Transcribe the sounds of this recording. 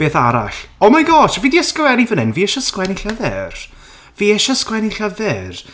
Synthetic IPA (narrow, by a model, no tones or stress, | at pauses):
b̥eːθaɾa̰ɬɔmajɡɔːʃviːdiəskwɛnivənɨnviːɛʃɔskwɛniɬaðɛːr | viːɛʃɔskwɛniɬaðɛːr